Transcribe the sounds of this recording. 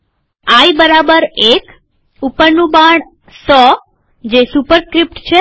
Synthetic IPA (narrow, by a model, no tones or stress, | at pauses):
aibəɾabəɾek | upəɾnũbaɳ | sɔ | d͡ʒesupəɾskɾip̚ʈt͡ʃʰe